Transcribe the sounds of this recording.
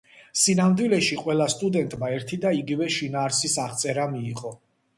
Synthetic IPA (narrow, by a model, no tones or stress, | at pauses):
sinamd̪wilɛʃiqʼwɛlˠast̪ʼud̪ɛnt̪ʼmaɛɾt̪ʰid̪aiɡivɛʃinaːɾsisaχt̪sʼɛɾamiːʁʼɔ